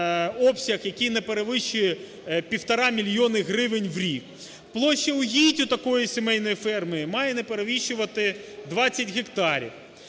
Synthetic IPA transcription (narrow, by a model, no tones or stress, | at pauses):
ɔpsʲɐxjɐkʲijnɛpeɾeʋɪʃʊjɛ | pʲiwt̪ɐɾɑmʲilʲjɔnɪɦɾɪʋɪnʲʋɾʲik | plˠɔʃːɐʊɦʲitʲʊt̪ɐkɔjisʲemɛjnɔjifɛrmɨjɪmɑjɛnɛpeɾeʋʲiʃʊʋɐt̪ɪd̪ʋɑt͡sʲːɐtʲɣekt̪ɑɾʲḭw